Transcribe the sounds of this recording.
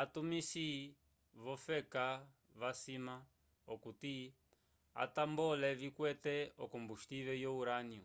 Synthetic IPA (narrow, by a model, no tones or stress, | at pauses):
atumisi | βɔfɛka | βasima | ɔkuti | a̰tambɔlɛvikwɛtɛɔkɔmbuʃtivɛjɔuɾaniu